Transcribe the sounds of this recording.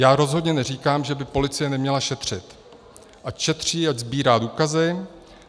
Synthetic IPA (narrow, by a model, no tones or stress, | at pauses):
jaːɾo̞zɦo̞dɲɛnɛriːkaːmʒɛbɪpo̞lɪt͡sɪjɛnɛmɲɛlaʃɛt̪r̝̥ɪt̪ | ʔacʃɛt̪r̝̥iːaczbiːɾaːduːkazɪ